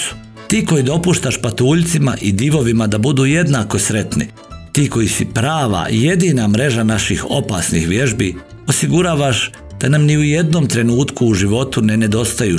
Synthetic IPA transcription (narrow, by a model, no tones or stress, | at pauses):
u̥ | t̪iːko̞jid̪o̞puːʃt̪aʃpat̪uːʎt̪simaʔid̪iʋo̞ʋimad̪abud̪uːje̞d̪naːko̞sɾe̞t̪nḭ | t̪iːko̞jisipɾaːʋa̰je̞d̪iːnamɾe̞ʒanaʃixo̞pasnḭxʋje̞ʒbiː | o̞siɡuɾaːʋaʃ | d̪̥anamniuje̞d̪nomt̪ɾe̞nuːt̪kuːʒiʋo̞t̪une̞ne̞d̪o̞st̪ajuː